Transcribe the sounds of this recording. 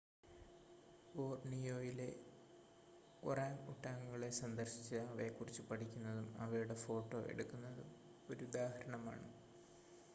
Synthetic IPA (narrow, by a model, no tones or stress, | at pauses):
oːrnijo̞ːjile | kuraːŋṵʈːaːŋuɣɐɭe̞sɐnd̪ɐrɕit͡ɕːɨɐʋe̞kːurit͡ɕːɨpɐʈʰikʲːunːɐðumɐ̰ʋɐjuɽe̞fo̞ːʈːo̞̰ʔe̞̰ɽukːunːɐðum | o̞ɾud̪aːhɐɾɐɳɐma̰ːɳɨ